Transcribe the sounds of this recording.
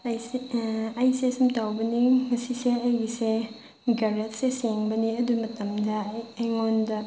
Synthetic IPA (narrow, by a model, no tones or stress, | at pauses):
j | ɐjsesumtawbɐniŋɐsiseɐjise | ɡɐɾet̚seseŋbɐniɐdumɐtɐmdɐːjŋondɐ